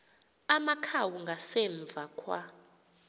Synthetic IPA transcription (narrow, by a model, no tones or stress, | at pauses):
amakʰawuŋɡʱasɛɱb̪vʱakʰwa